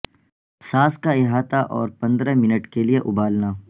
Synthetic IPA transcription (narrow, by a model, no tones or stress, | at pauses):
saːskaɪɦaːt̪aʔɔːɾpɐ̃nd̪ɾamɪnəʈkelieʔʊbaːlnaː